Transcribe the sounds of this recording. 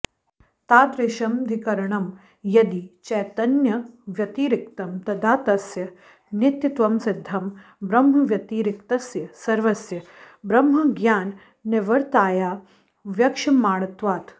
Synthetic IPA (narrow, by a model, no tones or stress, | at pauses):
t̪aːt̪ɾeʃɐmd̪ʱikɐɾɐɳɐm | jɐd̪it͡ʃɛːt̪ɐnjɐʋjɐt̪iːɾikt̪ɐmt̪ɐd̪ʱaːt̪ɐsjɐ | nit̪jit̪ʋɐmsɪd̪ʱːɐmbɾɐmɦɐʋjɐt̪iːɾikt̪ɐsjɐsɐɾʋɐsjɐ | bɾɐmɦɐɡjaːnː | ɪʋɐɾt̪aːjaː | ʋjɐkʃɐmaːɽɐt̪ʋaːt̪